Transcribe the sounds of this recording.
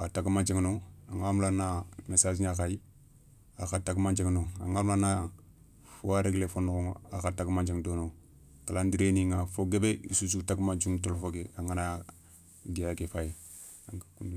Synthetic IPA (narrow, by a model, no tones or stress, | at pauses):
ataɡmad͡ʒiŋnoaŋamlanːamesad͡ʒiɲakaji | axataɡmand͡ʒeŋnoa̰ŋaːɾmlana | foaɾeɡlefonukoŋakataɡmand͡ʒeŋdono | kalandiɾeniŋafoɡebeḭsus̬utaɡmand͡ʒiŋtolfoɡeaŋana | ɡijaɡefaje | aakun